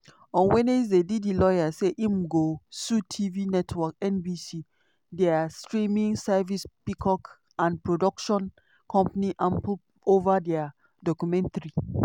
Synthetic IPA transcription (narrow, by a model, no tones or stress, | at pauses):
ɔ̃nwɛ̃nezdedidilɔjaseʔimɡosutʰivinɛtʰwɔkɛ̃nbisi | dɛastɹĩmĩŋsɛvispikʰɔk | ãnpɹodɔkʃɔ̃n | kʰɔ̃mpaniʔãmpu | ovadɛa | dɔkumɛ̃ntaɹi